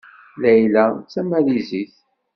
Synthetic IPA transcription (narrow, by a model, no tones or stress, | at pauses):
læjlæt͡sːæmæliziθ